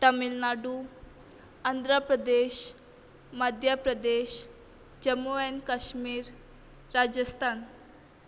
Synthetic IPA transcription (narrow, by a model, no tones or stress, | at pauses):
ʈ̪əmilnaɖu | and̪ʱɾapɾəd̪eɕ | məd̪ʱjapɾəd̪eɕ | d͡ʑəmoenkaɕmiːɾː | ad͡ʑəst̪ʰan